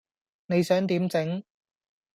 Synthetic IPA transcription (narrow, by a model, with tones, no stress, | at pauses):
ne˨˧jsœː˨˥ŋt̪iː˨˥mt͡sɪ˨˥ŋ